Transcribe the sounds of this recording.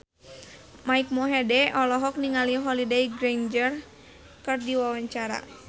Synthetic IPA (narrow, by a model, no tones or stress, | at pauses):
maik̚mɔɦɛdɛɔlɔɦɔk̚niŋaliɦɔlidejɡɾend͡ʒər | kɨrdiwawaɲt͡ʃaɾa̰